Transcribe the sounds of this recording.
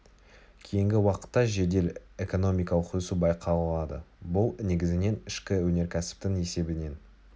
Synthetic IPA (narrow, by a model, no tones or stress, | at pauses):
kʲʰejɪŋɡʲɪwɑqə̥t̪ːɑʒe̞d̪e̞le̞ko̞no̞mijkɑləqɵsubɑjqʰɑllˠɑd̪ə̰bʊlˠne̞ɡʲɪzɪne̞nɪʃkʲɪwɵne̞ɾkʲʰæsɪ̥p̚t̪ɪŋe̞se̞bɪne̞n